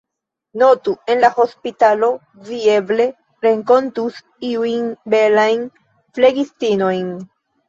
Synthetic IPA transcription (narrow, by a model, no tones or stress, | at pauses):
no̞tue̞nlaho̞spitalo̞ | vie̞ble̞ | ɾe̞ŋko̞ntus | iujnbe̞lajn | fle̞ɡistino̞jn